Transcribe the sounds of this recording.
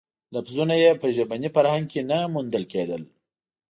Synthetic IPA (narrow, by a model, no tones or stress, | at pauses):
lafzunajepəʒabanifaɾhaŋɡ̚kenamund̪əlked̪əl